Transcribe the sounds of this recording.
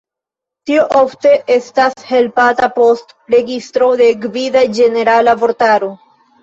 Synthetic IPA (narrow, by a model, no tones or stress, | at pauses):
tioʔofte̞ʔe̞stashe̞lpatapo̞st | ɾe̞ɡistɾo̞de̞ɡvidad͡ʒe̞ne̞ɾalavo̞ɾtaɾo̞